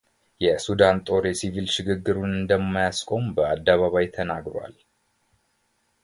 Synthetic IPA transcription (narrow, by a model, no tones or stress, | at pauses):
jɛsud̪ant̪ʼo̞ɾesivilʃɪɡɨɡːɨɾunɨnd̪əmːajaskʼo̞mbəad̪ːaβaβajt̪ʰənaɡɾowa̰l